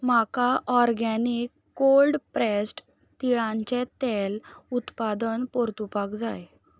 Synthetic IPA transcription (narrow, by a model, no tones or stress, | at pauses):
makaʔɔɾɡanikːolɖpɾɛsʈ | t̪iɭãɲt͡ɕɛt̪ɛlut̪pad̪ənpoɾt̪upakd͡zaj